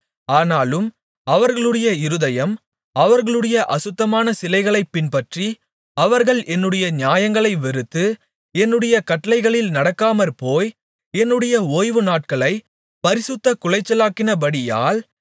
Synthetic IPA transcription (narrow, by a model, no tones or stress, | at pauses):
aːnaːlɯm | ɐʋɐɾɣɐɭɯɽɐjɐɪɾɯðɐjɐm | ɐʋɐɾɣɐɭɯɽɐjɐʔɐsɯt̪ːɐmaːnɐsɪlɐɪɣɐɭɐɪpːɪnpɐʈri | ɐʋɐɾɣɐɭɛnːɯɽɐjɐɲjaːjɐŋɡɐɭɐɪʋɛɾɯt̪ːɯ | ɛnːɯɽɐjɐkɐʈːɐlɐɪɣɐɭɪlnɐɽɐkːaːmɐɾpoːj | ɛnːɯɽɐjɐoːjʋɯnaːʈ̚kɐɭɐɪ | pɐɾɪsɯt̪ːɐkʊlɐɪt͡ʃːɐlaːkːɪnɐbɐɽɪja̰ːl